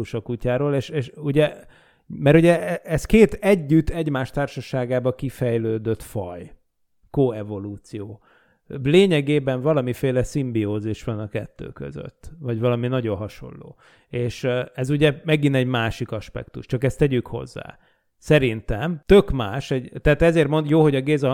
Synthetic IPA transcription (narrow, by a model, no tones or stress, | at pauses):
uʃokucaːɾoːleːʃeʃuɟɛ | mɛɾuɟɛɛɛskeːt̪ɛɟːyt̪ːɛɟmaːʃt̪aːrʃɒʃaːɡaːbɒkifɛjløːd̪øt̪fɒ̰j | koɛvo̞luːt̪sijoː | leːɲɛɡeːbɛɱvɒlɒmifeːlɛsimbioːziʃʋɒnɒkɛt̪ːø̰ːkø̰zø̰t̪ːvɒɟvɒlɒminɒɟo̞nɦɒʃo̞̰nːo̰ː | eːʃɛzuɟɛmɛɡinɛɟmaːʃikɒʃpɛ̰kt̪ṵʃt͡ʃɒkɛst̪ɛɟykho̞̰zːa̰ː | sɛɾint̪ɛmt̪ø̞kmaːʃɛɟt̪ɛaːt̪ɛzeːrt̪mond̪joːɦoɟɒɡeːzɒ